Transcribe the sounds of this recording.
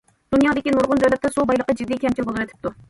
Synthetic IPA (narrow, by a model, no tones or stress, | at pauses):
d̪̥unjɑd̪ɪkʲinuɾʁʊnd͡ʒɛlɛp̚t̪ɛsubɑjlˠəqəd͡ʒid̪ːikʲʰɛmt͡ʃʰibolˠɨɾɨt̪ʰɪ̥p̚t̪u